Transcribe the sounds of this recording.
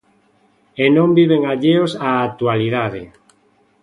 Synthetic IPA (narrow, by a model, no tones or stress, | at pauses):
enõmbiβeŋaʎeosaːt̪ualiðaðḛ